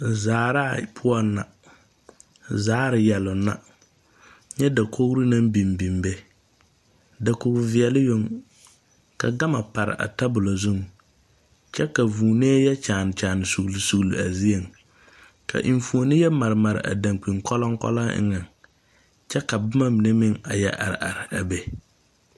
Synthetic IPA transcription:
zaː˨ɾa˦˨pʰʊ˦ɔ˦nːa̰˨ | zaː˦ɾɪ˨jɛ˨lʊ˨nːa̰˨ | ɲɛ˦da˨kʰo˦ɣɾi˦na˦mbi˨mbi˨mbe˦ | da˨kʊ˨ɡʊ˨vɪ˨ɛ˨lɪ˦jo˦ŋ | ka̰˨ɡa˦ma˨pa˨ɾɪ̰˨ʔa̰˨ta˦bʊ˨la˨zu˦ŋ | t͡ʃɛ˦ka˨vuː˨neː˦jɛ˦t͡ʃaː˨nɪ˨t͡ʃaː˨nɪ˨su˨ɣlsu˨ɣlɪ̰˨a˨zi˦e˨ŋ | kʰa̰˨ʔi˨ɱ˦fu˨o˨nɪ˦jɛ˦ma˨ɾɪ˨ma˨ɾɪ̰˨ʔa̰˨dã˨ŋk͡pi˨ŋkɔ˦lɔ˦ŋkɔ̰˦la˦ɪ̰˦ŋa˨ŋ | t͡ʃɛ˦ka˨bʊ˦ma˦mɪ˨ne˦mɪ˦ŋa˨jɛ̰˦ʔa̰˨ɾɪ̰˨ʔa̰˨ɾɪ˨a˨be˨

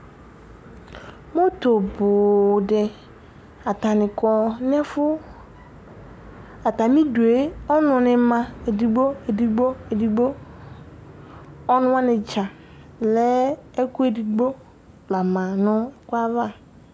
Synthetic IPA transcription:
mõ˦to˨bʊ˨dɛ˨ | a˨ta˨nɪ̃˨kɔ˨nɛ̃˦fʊ˦ | a˨ta˨mĩ˦du˨e˦ɔ˦nʊ̃˨nɪ̃˨mã˨e˨di˨ɡ͡bo˦e˨di˨ɡ͡bo˦e˨di˨ɡ͡bo˦ | ɔ˦nʊ̃˦a˦nɪ̃˨t͡ʃa˨ | lɛ˦e˦ku˦e˨di˨ɡ͡bo˦ | la˨mã˨nʊ̃˦kʷa˦va˦˨

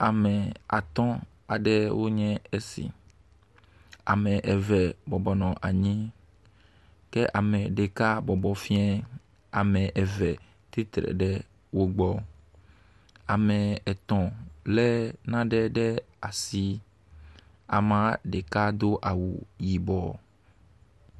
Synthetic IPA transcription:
a˨mɛ˨a̰˨t̪ɔ̃˦ | a˨ɖɛ˦wʔo˦ɲɛ̃˦e˦sḭ˨ | a̰˨mɛ̃˨ʔɛ˨vɛ˨bɔ˨bɔ˨nɔ̃˨ʔa˨ɲĩ˦ | kɛ˦ʔa˨mɛ̃˨ɖe˨ka˦bɔ˨bɔ˨fi˦ɛ̃˦ | a˨mɛ̃˨ʔɛ˨vɛ˨ | t̪i˦t̪ɾɛ̰˨ɖɛ˦ | wo˦ɡ͡bɔ˦ | a˨mɛ̃˨ɛ˨t̪ɔ̃˨lɛ˦nã˦ɖɛ˦ɖɛ˦ | a˨si˦ | a̰˨mã˦ɖe˨ka˦d̪o˦ʔa˨wṵ˨ji˨bɔ˦

